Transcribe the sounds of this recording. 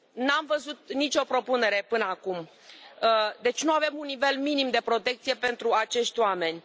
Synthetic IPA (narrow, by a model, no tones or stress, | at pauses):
namvəzut̪̚nit͡ʃʲo̞pɾo̞pune̞ɾe̞pɨnəakum | d̪e̞t͡ʃʲnuave̞munːive̞lminimd̪e̞pɾo̞t̪e̞k̚t̪sije̞pe̞nt̪ɾuat͡ʃe̞ʃt̪ʲoame̞nʲ